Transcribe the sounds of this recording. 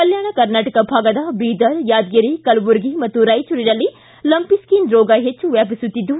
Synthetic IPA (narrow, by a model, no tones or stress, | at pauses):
kɐljaːɽ̃akɐɾnaːʈɐkabʱaːɡɐd̪abiːd̪ɐɾjaːd̪ɡiɾikɐlbuɾɡimɐt̪uɾaːit͡ʃʰuɾiɾɐli | lɐmpiskiːnɾoːɡaːɦet͡ʃʰuʋɛːbsut̪id̪u